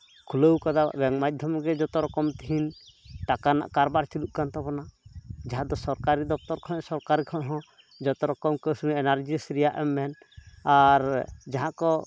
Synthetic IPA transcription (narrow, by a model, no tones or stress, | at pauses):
kʰuləwkad̪a̰bɛŋmad̪ʱjɔmɡɛd͡ʒɔt̪ɔɾɔkɔmt̪iɦinʈakana̰ʔkaɾbaɾt͡ʃiluʔkant̪ɔbɔnad͡ʒaɦãd̪ɔsɔɾkaɾid̪ɔp̚t̪ɔɾkʰɔ̃nsɔɾkaɾikʰɔ̃ʔɦɔ̃ | d͡ʒɔt̪ɔɾɔkɔmkəsunɛnaɾd͡ʒisɾɛjaʔɛmːɛn | aɾd͡ʒaɦãkɔ